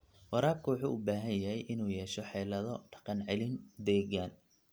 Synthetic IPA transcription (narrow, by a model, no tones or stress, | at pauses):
wɑɾaːb̚kʰɐwʊħuːʔʊbaːɦɐnjɐɦɛjʔɪnuːjɛːʃɔħɛːlɐðɔɖɑ̥qɑnʕɛlɪnd̪ɛːɣaːn